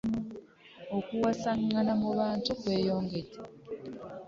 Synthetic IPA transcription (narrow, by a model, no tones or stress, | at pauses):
okuwasaŋːanamuβaːntukwe̞ːjo̞ːŋɡete̥